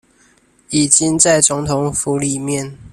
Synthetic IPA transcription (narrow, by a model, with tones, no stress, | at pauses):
i˨˩t͡ɕi˥˦ŋt͡sa˥˩ɪt͡sʊ˧˥ŋt̪ʰʊ˧˦ŋfu˧˥li˨˩mjɛ˥˨n